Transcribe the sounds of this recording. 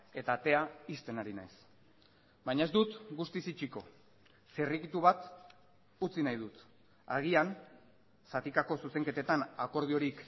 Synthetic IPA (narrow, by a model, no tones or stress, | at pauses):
e̞t̪aːt̪e̞aist̪e̞naɾina̰js | bajɲae̞zd̪ut̪ɡust̪isit͡ʃiko̞ | serikit̪uβat̪ | ut͡sinajð̞ut̪ | a̰ɣ̞ian | sat̪ikako̞suse̞ŋke̞t̪e̞t̪anako̞ɾð̞io̞ɾik